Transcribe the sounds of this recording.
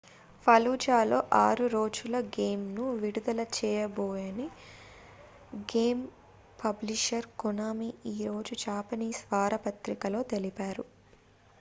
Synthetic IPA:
pɐluːd͡ʒaːlo̞̰ːʔaːɾuɾoːd͡ʒulɐɡeːmnuʋiɽud̪ɐlɐt͡ʃɛːjɐboːjɐni | ɡeːm | pʰɐbliʂɐɾkunaːmiiːɾo̞ːd͡ʒud͡ʒaːpɐniːsʋaːɾɐpɐt̪ɾikɐlo̞ːt̪e̞lipaːɾu

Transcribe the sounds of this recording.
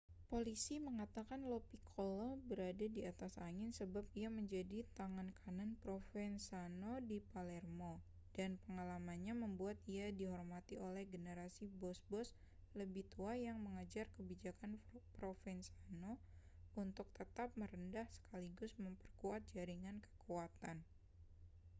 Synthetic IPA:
polisiməŋat̪akanlopikʰolobəɾadadiat̪asaŋɪnsəbap̚iaməɲd͡ʒadit̪aŋankʰananpɾofɛnsanodipalɛrmo | d̥anpəŋalamanɲaməmbuat̪̚iadiɦɔrmat̪iʔolɛhɡənəɾasibɔsbɔs | ləbɪht̪uajaŋməŋad͡ʒarkəbid͡ʒakanpɾofɛnsano | unt̪ʊk̚t̪ət̪ap̚məɾəndahsə̥kaliɡʊsməmpərkuat̪̚d͡ʒaɾiŋankə̥kuwat̪an

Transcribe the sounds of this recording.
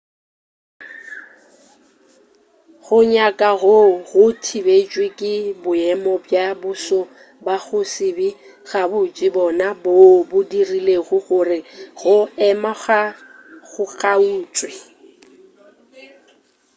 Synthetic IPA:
ɣʊɲakʼaɣoɣʊtʰibet͡ʃʼwekʼɪbʊɛmɔbjabʊsʊ | baɣʊsɪbi | ɣabʊt͡ʃʼɪbɔnabobʊdirileɣʊɣʊrɪɣʊɛmaχa | ɣʊɣʰʼauːt͡sʼwe

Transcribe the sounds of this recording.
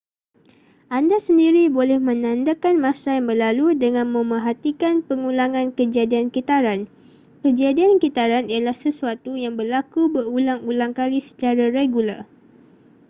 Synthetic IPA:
ʔandasəndiɾibolɛhmə̃nãndakanmãsajaŋbərlaludəŋãnmə̃məɦat̪ikanpəŋũlaŋãnkəd͡ʒadiankit̪aɾan | kəd͡ʒadiankit̪aɾanialahsəsuat̪ujaŋbərlakubərulaŋulaŋkalisə̥t͡ʃaɾaɾeɡular

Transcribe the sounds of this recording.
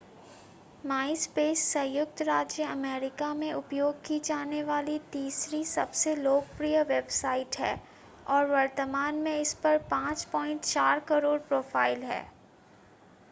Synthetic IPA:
maːɪspeːsːɐ̃jʊk̚t̪ɾaːd͡ʒjəɐmeːɾɪkamẽʊpjoːɡ̚kid͡ʒaːneʋaːlit̪iːsɾisɐbseloːɡpɾijəʋebsaːɪʈɦɛ̰ː | ɔːɾʋɐɾt̪əmaːnmẽɪspɐɾpãːt͡ʃpɔːɪ̃ɳʈt͡ʃaːɾkɐɾoːɾpɾoːfʰaːɪlɦɛ̰ː

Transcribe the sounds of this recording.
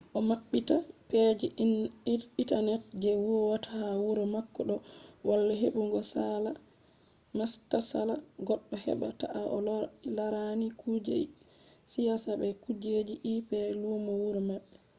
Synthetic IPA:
ʔɔmaɓːitapɛd͡ʒi | itanɛt̚d͡ʒɛwuwatahawuɾɔmakːɔɗɔwalːaɦeɓuŋɡɔsala | mastasalaɡɔɗːɔhɛ̰ɓa̰ta̰ʔaʔɔlaɾanikʰud͡ʒḛ | sijasabɛkud͡ʒed͡ʒiʔipɛlumɔwuɾɔmaɓːɛ

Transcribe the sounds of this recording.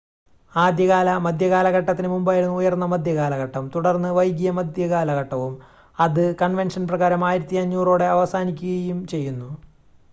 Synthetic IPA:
aːd̪jɐɣaːlɐmɐd̪ʱjɐɣaːlɐɣɐʈːɐt̪ːinɨmumbaːjiɽunːɨujɐrnːɐmɐd̪ʱjɐɣaːlɐɣɐʈːɐmt̪uɽɐrnːɨʋɐjɡijɐmɐd̪ʱjɐɣaːlɐɣɐʈːɐʋum | ɐðɨkɐɳʋe̞nʂɐnprɐɣaːɾɐmaːjiɾɐt̪ːiɐɲːuːro̞ːɽe̞ɐʋɐsaːnikʲːuɣɐjumt͡ɕe̞jːunːu

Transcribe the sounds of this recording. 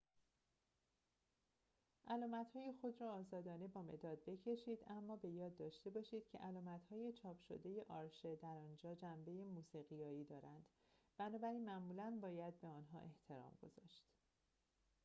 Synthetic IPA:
ʔælɒːmæt̪hɒːje̞xo̞d̪ɾɒːzɒːd̪ɒːne̞bɒːme̞̰d̪ɒːd̪̚be̞cʰe̞ʃiːd̪æmːɒːbe̞jɒːd̪ːɒːʃt̪e̞bɒːʃiːd̪̥cʰe̞̰ʔælɒːmæt̪hɒːje̞t͡ʃʰɒːpʰʃo̰d̪e̞je̞ʔɒːɾʃe̞d̪æɾɒːnd͡ʒɒːd͡ʒæmbe̞jemuːsiːɣijɒːiːd̪ɒːɾænd̪̥ | b̥ænɒːbæɾiːnmæʔmuːlænbɒːjæd̪̚be̞ɒːnɦɒ̰ːʔe̞ht̪ʰe̞ɾɒ̰ːmɡo̞̰zɒ̰ːʃt̪

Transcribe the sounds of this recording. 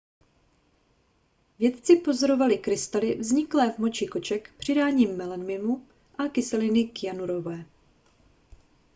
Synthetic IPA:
vjɛt̪t͡sɪpo̞zo̞ɾo̞valɪkɾɪst̪alɪvzɲɪklɛːvmo̞t͡ʃɪko̞t͡ʃɛkpr̝̥ɪdaːɲiːmːɪlɛnmɪmu | ʔakɪsɛlɪnɪkjanuɾo̞vɛː

